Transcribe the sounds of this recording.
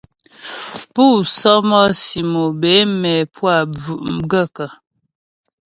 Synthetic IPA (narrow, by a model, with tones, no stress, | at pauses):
pu˦˨sɔ˦mɔ˦si˨mo˨be˨˦mɛ˨pwa˨b͡vʉ˨ʔm̩˦ɡə˦˨kə˨